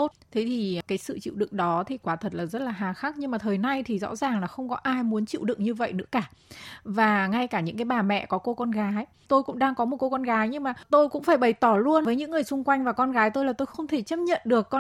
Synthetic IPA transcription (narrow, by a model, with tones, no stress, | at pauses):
o˦˥t̚t̪ʰe˨˦t̪ʰi˨˩˨kaː˨˦jsɨ̰˧˨t͡ɕḭ˧˨wɗɨ̰˧˨ŋɗɔ˨˦t̪ʰi˨˩kwaː˨˦t̪ʰə˨˩t̚laː˨˩zə˦˥t̚laː˨˩ɦaː˨˩xaː˦˥k̚ɲɨ˧ŋmaː˨˩t̪ʰəː˨˩jna˧jt̪ʰi˨˩zɔ̰˧˥zaː˨˩ŋlaː˨˩xə˧wŋ͡mkɔ˨˦ʔaː˧jmu˨˦nt͡ɕḭ˧˨wɗɨ̰˧˨ŋɲɨ˧və̰˧˨jnɨ̰˧˥əkaː˧˩vaː˨˩ŋa˧jkaː˧˩ɲɨ̰˧˥ŋk̬aː˨˦jɓaː˨˩mɛ̰˧˨kɔ˨˦ko˧kɔ˧nɣaː˨˦j | t̪o˧jkʊ̰˧˥ŋ͡mɗaː˧ŋkɔ˨˦mo˨˩t̚ko˧kɔ˧nɣaː˨˦jɲɨ˧ŋmaː˨˩t̪o˧jkʊ̰˧˥ŋ͡mfaː˧˩jɓə˨˩jt̪ɔ˧˩lu˧ənvəː˨˦ɲɨ̰˧˥ŋːɨ˨˩əjsʊ˧ŋ͡mkwa˧jŋ̟vaː˨˩kɔ˧nɣaː˨˦jt̪o˧jlaː˨˩t̪o˧jxə˧wŋ͡mt̪ʰe˧˩t͡ɕə˦˥p̚ɲə̰˧˨nɗɨ˨˩əkːɔ˧